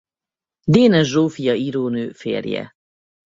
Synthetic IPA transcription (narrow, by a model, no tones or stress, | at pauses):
d̪eːnɛʒʒːoːfijɒiɾoːnøːfḛːrjɛ̰